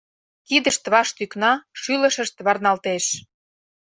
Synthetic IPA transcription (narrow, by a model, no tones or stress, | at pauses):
kid̪ə̆ʃt̪βɑʃt̪yknɑʃylə̆ʃə̆ʃt̪βɑrnɑlt̪eʃ